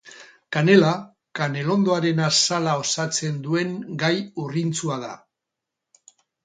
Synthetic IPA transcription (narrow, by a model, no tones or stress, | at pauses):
kane̞la | kane̞lo̞nd̪o̞aɾe̞nasalao̞sat͡se̞nd̪ue̞ŋɡajurint͡suaða̰